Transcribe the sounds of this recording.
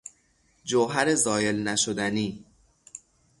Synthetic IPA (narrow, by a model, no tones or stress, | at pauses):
d͡ʒoɦæɾezɒːje̞lnæʃod̪æniː